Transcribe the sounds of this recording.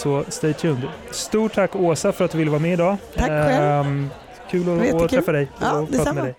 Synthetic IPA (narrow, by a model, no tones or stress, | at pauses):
sɔst̪ɛːt̪ʰjɵnd̪st̪uːʈʰːakːoːsafœɾat̪̚d̪ɵvɪlːəvaːɾamɛːɪd̪ɑː | kʰʉ̟ːlɔt̪ɾɛfːad̪ɛjpɾɑːmɛd̪ɛj